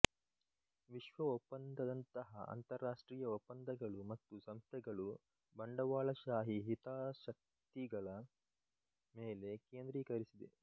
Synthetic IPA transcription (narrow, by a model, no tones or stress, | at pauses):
ʋiʃʋɐopːɐnd̪ɐd̪ɐnt̪ɐɦɐ̰ʔɐ̰nt̪ɐɾːaːʂʈɾiːjɐopːɐnd̪ɐɡɐɭumɐt̪ːusɐmst̪ʰɛɡɐɭu | bɐɳɖɐʋaːɭɐʃaːɦiɦit̪aːʃɐk̚ | t̪iɡɐɭɐ | meːle̞keːnd̪ɾiːkɐɾisid̪ḛ